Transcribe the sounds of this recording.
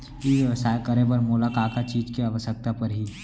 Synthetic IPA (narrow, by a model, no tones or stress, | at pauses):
iʋʋəsaːjkəɾẽbəɾmoːlakaːkat͡ʃiːd͡ʒkeɐʋəʃək̚t̪apɐɾɦiː